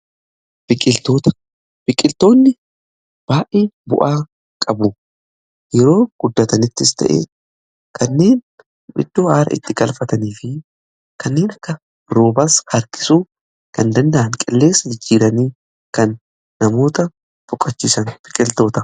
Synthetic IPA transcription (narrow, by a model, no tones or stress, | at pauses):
b̥ɪkʼɪlt̪oːt̪ɐ̥ | b̥ɪkʼɪlt̪o̞ːnːɪ | b̥aːʔeːbʊ̰ʔaː | kʼɐbʊ | jɛɾo̞ːɡ̥ʊd̪ːɐt̪ɐnɪt̪ːɪst̪ʰɐ̰ʔḛː | kʰɐnːe̞ːn | bɪ̰d̪̥ːoːʔaːɾɐ̰ɪ̰t̪ːɪɡɐlfɐt̪ɐniːfɪ | kɐnːe̞ːnɐkːɐ | ɾoːbɐshɐɾkɪ̥suː | kɐnd̪ɐnd̪ɐʔɐnkʼɪlːe̞ːsːɐd͡ʒɪd͡ʒːiːɾɐniː | kɐnː | ɐmo̞ːt̪ɐ | fʊkʼːɐt͡ʃːiːsɐnb̥ɪkʼɪlt̪o̞ːt̪ɐ